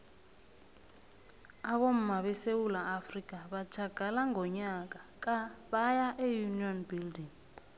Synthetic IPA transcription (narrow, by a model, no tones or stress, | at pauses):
akom̩maɓɛsewulaːfrik̬ʼaɓad̥ʒ̥ʱaɡ̥ʱalaŋɔɲak̬ak̬ʼaɓajaʔɛjuniɔnbildiŋ